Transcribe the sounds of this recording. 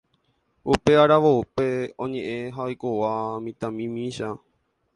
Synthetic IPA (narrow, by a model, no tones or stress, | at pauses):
upe̞aɾaʋoupe̞õɲẽʔẽɦaojkowamĩt̪ãmĩmĩʃa